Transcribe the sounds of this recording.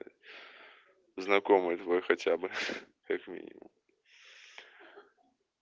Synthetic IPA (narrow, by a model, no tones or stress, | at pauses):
znɐkomɨt̪vɔjxɐtʲabɨ | kakmʲḭnʲɪ̰mʊ̰m